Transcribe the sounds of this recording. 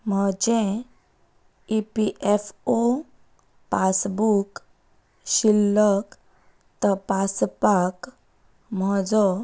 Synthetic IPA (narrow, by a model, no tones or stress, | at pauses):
m̤əd͡ʑẽ | ipiʔefo | pasbuk | ɕilːək | t̪ɔpaspak | mɔd͡zɔ